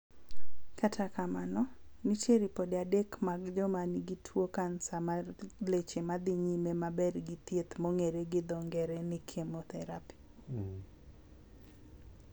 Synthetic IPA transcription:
katʰakamanɔnit͡ʃeɾipodeadekmaɡd͡ʒɔmaniɡitʰwokansamalet͡ʃemad̪iɲimemabɛrɡɪt̪jet̪moŋeɾeɡɪd̪ɔŋɡɛɾɛnɪkʰemot̪ɛɾapi̥

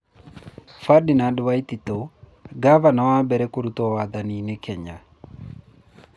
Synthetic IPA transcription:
fadinadwait̪it̪o | ɡavanawabɛɾɛkoɾut̪owad̪aninekʰɛɲa

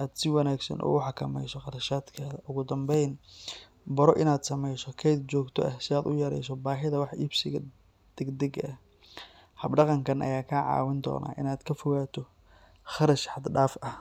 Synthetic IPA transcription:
ʔaːd̪sɪwɑnaːɡsɐ̰nʔɔ̰ːɣʊħɑkʰɐmɛ̰jsɔqɑɾɐʃaːd̪kʰaːðɐʔʊɣʊd̪ɐmbɛjn | bɐɾɔʔɪnaːd̪sɐmɛjsɔkʰɛjd̪̚t͡ʃɔːɡt̪ʰɔ̰ʔɐhsɪaːd̪ʊjɐɾɛ̰jsɔbaːɦɪðɐwɑħʔiːbsɪɣɐ | d̪̥ɛɡd̪ɛɡɐɐ | hɐbɖɑqɑŋkʰɐnʔɐ̰jaːkʰaʕɑ̰ːwɪnd̪ɔ̰ːna̰ːʔɪ̰naːd̪kʰɐfɔɣaːt̪ʰɔ | χɑɾɐʃħɑd̪ɖaːfɐh

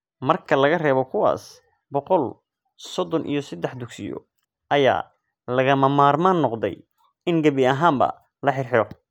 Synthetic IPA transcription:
mɐrkʰɐlɐɣɐrɛːβɔkʰʊwa̰ːs | bɔqɔl | sɔd̪ɔnʔḭjɞsɐd̪ɛħd̪ʊɡsɪjɔ̰ | ʔɐja̰ː | lɐɣɐmɐmaːrmaːnːɔqd̪ɛ̰j | ɪŋɡɐβɪɐɦaːmbɐ̰ | lɐħɪrħɪɾɔ

